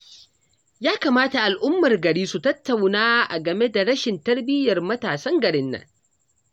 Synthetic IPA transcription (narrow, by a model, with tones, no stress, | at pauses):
jaː˦kaː˨maː˦ta˨ʔa˨lʔʊ˦mːɐ˨rɡɐ˨ɽiː˦su˨tɐ˦tːa˨wnaː˦ʔa˨ɡɐ˨me˦da˨ɽɐ˦ʃɪ˨ntɐ˦rbɪ˦jɐ˨rmɐ˦taː˨sɐ˦ŋɡɐ˨ɽɪ˦nːɐ̰˨ŋ